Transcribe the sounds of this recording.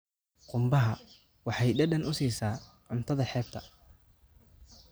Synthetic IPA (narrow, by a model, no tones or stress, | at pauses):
qʊmbɐɦɐ | wɑħɑjɖɐɖɐnʔʊsiːsaː | ʕʊnt̪ʰɐðɐħɛːb̚t̪ʰɐ